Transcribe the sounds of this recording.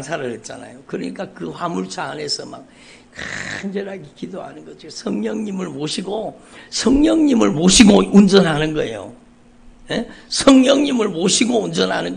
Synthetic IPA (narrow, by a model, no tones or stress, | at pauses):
nsʰaɾɯɾet̚t͡ɕ͈a̰na̰jokɯɾʌɲik͈akɯɸamuɭt͡ɕʰaːne̞sʰʌma̰k̚ | kand͡ʑeɾaɡikidoɦa̰nɯnɡʌd͡ʑiosʰʌŋɲʌŋɲimɯɭmoɕʰiɡosʰʌŋɲʌŋɲimɯɭmoɕʰiɡound͡ʑʌnɦanɯnɡʌejo̰ | jesʰʌŋɲʌŋɲimɯɭmoɕʰiɡound͡ʑʌnɦanɯn